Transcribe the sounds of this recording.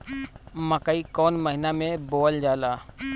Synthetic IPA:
məkəikɔːnməɦɪnamẽboːld͡ʒaːlaː

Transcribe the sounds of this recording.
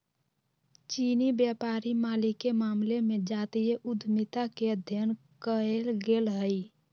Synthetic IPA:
t͡ʃiːnibjəpaːɾimaːlikːemaːmlemẽd͡ʒaːt̪ijeʔud̪ʱmit̪akeəd̪ʱjən | kəelɡelɦəi

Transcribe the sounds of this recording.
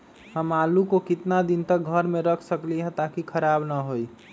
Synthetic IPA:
həmalukokɪt̪nad̪int̪əkɡʱəɾmẽɾəkʰsəkliɦə̃t̪akikʰəɾabnəɦoi

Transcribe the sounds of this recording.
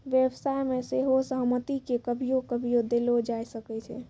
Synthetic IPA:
ʋjebsajmeseɦosəɦmət̪ikekəbʱijokəbʱijod̪elod͡ʒajsəkɛt͡ʃʰɛ̰

